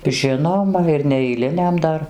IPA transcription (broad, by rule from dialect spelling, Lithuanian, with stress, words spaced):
ˈʒʲɪnoːmɐ ɪr nʲɛɛɪˈlʲɪnʲɛm ˈdɐr